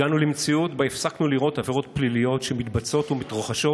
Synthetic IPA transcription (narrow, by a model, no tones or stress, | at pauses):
anulimt͡siutbaefsaknuliʁo̞taveʁo̞t̪plilijo̞tʃemit̪bat͡so̞t̪umit̪ʁoχaʃo̞